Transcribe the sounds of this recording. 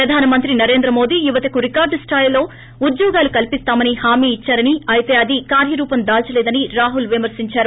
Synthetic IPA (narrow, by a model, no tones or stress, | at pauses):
pɾɐd̪ʱaːnɐmɐnt̪ɾinɐɾe̞ːnd̪ɾɐmo̞ːd̪ijuʋɐt̪ɐkuɾikaːɾɖsʈʰaːjlo̞ː | ud̪jɔːɡaːlukɐlipist̪aːmɐnihaːmiːt͡ʃːaːɾɐniɐjt̪e̞ːɐd̪ikaːɾjɐɾuːpɐmd̪aːlt͡ʃɐlɛːd̪ɐniɾaːɦulʋimɐɾsiɲt͡ʃaːɾu